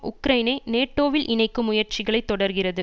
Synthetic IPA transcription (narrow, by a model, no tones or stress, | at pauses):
ʔʊkɾɐɪnɐɪneːʈːoːʋɪlʔɪnɐɪkːɯmʊjɐɾt͡ʃɪɣɐɭɐɪt̪ːɔɽɐɾɣɪrɐðɯ